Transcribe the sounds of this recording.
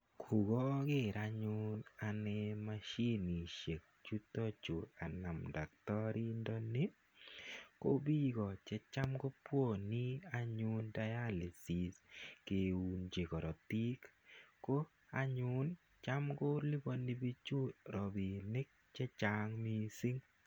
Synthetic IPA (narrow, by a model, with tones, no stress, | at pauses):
kʰu˨ɡɔ˦ɡɪ˦ɾa˨ɲʊ˦na˨nɛ˦ma˦ʃi˦ni˨ʃe˨k̚t͡ʃu˦t̪ɔ˦t͡ʃo˨a˨na˨mda˨k̚tɔ˦ɾi˦ndɔ˦ni˦ | ko˦bi˦ɡɔ˨t͡ʃɛ˦t͡ʃa˦mɡo˦pwo˦˨ni˦a˦ɲʊ˦nda˦ja˦li˨si˨ske˨u˨nd͡ʒe˨kɔ˨ɾɔ˨t̪i˦kko˦ | a˦ɲʊ˦n | t͡ʃa˦mɡo˦li˦bo˦ni˦bi˦t͡ʃʊ˦ɾɔ˨bi˨nɪ˦k̚t͡ʃɛ˦t͡ʃaŋmi˦si˦ŋ